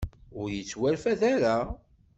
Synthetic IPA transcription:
ʊɾjət͡sːwælfæðaɾa

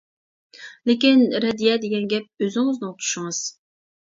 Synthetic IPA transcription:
lɪkʲinɾɛd̪ijɛd̪eɡʲɛnɡʲɛp̚øzɪŋɪznɪot̪ʰu̥ʃuŋɨz̥

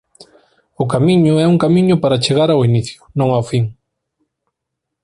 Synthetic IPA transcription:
ʊkamiɲʊɛuŋkamĩɲʊpaɾat͡ʃeɣaɾawiniθjʊnõŋawfiŋ

